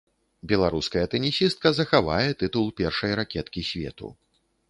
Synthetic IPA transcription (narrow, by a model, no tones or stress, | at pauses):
bʲɛlˠaɾuskɐjɐt̪ɛnʲisʲist̪̚kɐzɐxava̰jɛt̪ɨt̪ulˠpʲɛrʂɐjɾakʲɛt̪kʲisʲvʲɛ̰t̪ṵ